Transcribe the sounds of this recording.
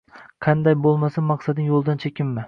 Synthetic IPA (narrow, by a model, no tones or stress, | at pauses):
qʰɑnd̪ajbolˠmasamːɑqsad̪ɪŋjolˠd̪ant͡ʃʰekʲʰɪmːɪ